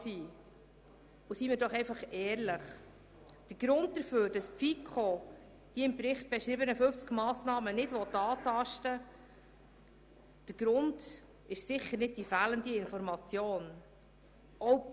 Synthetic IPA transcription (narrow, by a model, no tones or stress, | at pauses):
siː | usimɪːɾdɔχɛjfɑχɛːɾləχ | d̥əɾɡ̥ɾʊnd̚d̪əɾføːɾd̥ɑspfikʰχɔ | d̥iɪmpɾɪχt̚b̥ɛʃɾɪbənəfɵft͡skmɑːsnɑːmənɪdʋɔt̪ːɑːtɑʃtə | d̥əɾɡ̥ɾʊnd | ɪʃsɪχːəɾnɪd̚d̥ifæːləndiɪnfɔɾmɑt͡sjoːn | ɔw